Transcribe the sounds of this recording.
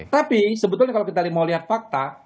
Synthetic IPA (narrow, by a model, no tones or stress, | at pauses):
t̪apisəbət̪ʊlɲakalawkit̪alimawliɦat̪̚fak̚t̪a